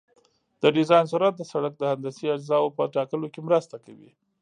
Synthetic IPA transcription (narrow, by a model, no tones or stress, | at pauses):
d̪̥əɖɪzɑjnsuɾat̪̚d̪əsaɽak̚d̪əhand̪asiad͡ʒzɑwpəʈɑkəlokemɾəst̪akawḭ